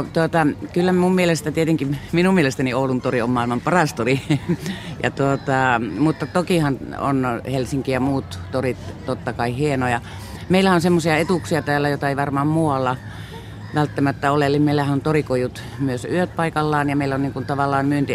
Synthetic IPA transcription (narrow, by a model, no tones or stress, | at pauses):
t̪uot̪ɑkylːæmummielest̪æt̪iet̪eŋkiminummielest̪ænioulunt̪oriommɑˑilmɑmpɑrɑst̪ori | jɑ̰t̪uot̪ɑˑmut̪ːɑt̪okihɑno̰nhelsiŋkijɑmuːt̪t̪orit̪t̪ot̪ːɑkɑihienojɑ | meilæhæonsemːosiɑet̪uksiɑt̪æːlːæjot̪ɑeiʋɑrmɑːmmuːɑlːɑ | ʋælt̪ːæmæt̪ːæolelːimmeilːˑæhænont̪orikojut̪ | myøsyøt̪̚pɑikɑlːɑːnjɑmeilːoniːŋkunt̪ɑʋɑlːˑɑːnmyønt̪i